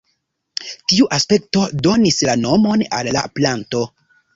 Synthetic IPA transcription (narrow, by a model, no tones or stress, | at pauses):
tiuʔaspe̞k̚to̞do̞nislano̞mo̞na̰lːa̰planto̞